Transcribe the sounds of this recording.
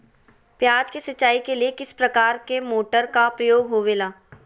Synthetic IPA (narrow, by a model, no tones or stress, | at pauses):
pjaːd͡ʒkesɐtːaːikeliekɪspɾɐkaːɾkemoːʈəɾkapɾɐjoːɡɦoʋeːlaː